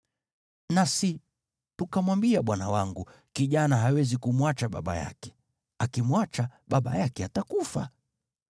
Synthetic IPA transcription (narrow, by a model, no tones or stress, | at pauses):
nasi | tukamwambiaɓwana̰waŋɡu | kiʄanaɦawɛzikumwat͡ʃaɓa̰ɓa̰ja̰kɛ̥ | akimwat͡ʃaɓaɓa̰jakɛatakufa